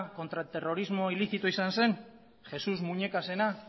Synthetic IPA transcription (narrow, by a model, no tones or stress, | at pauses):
ko̞nt̪ɾat̪e̞ro̞ɾizmo̞iliθit̪oisanse̞n | xe̞suzmuɲe̞kase̞na